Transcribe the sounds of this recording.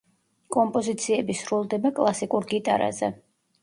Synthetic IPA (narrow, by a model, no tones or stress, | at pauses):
kʼɔmpʼɔzit̪sʰiɛbisɾulˠd̪ɛbakʼlˠasikʼuɾɡit̪ʼa̰ɾa̰zɛ̰